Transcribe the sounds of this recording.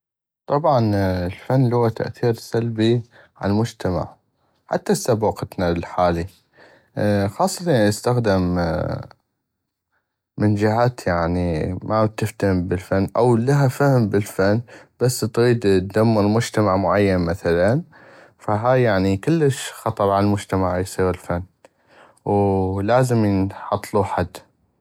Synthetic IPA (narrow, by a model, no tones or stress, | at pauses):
t̪ˤɑbʕɑnəlfanːluwat̪a̰ʔθiːɾsalbi | ʕa̰lmʊd͡ʒt̪ama̰ʕ | ħa̰t̪ːasːabuqt̪nalħaːli | xɑːsˤːɑt̪aəst̪axd̪ɪm | mənd͡ʒɪhaːt̪jaʕnimat̪ɪft̪hmbɪlfanːʔawlaɦafahmbɪlfanːb̥asːt̪ɣiːd̪t̪̚d̪amːɪɾmʊd͡ʒt̪amaʕmʊʕajːanmaθalan | faɦaːjjaʕnikɪlːəʃxɑt̪ˤɑɾˤʕalalmʊd͡ʒt̪amaʕjsˤiːɣɪlfanː | wlaːzəmjənħɑt̪ˤːluħad̪ː